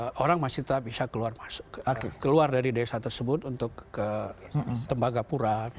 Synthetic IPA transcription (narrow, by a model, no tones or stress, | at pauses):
oɾaŋmasɪt̪ətap̚bisakəluarmasokekəluardaɾidesat̪ərsəbʊt̪unt̪ʊkːə | t̪əmbaɡapuɾa